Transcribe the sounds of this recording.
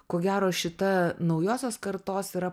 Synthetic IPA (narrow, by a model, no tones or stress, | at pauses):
koːɡʲæːɾoːʃʲɪt̪ɐnɐʊjoːsʲoːskɐɾt̪oːsiɾɐ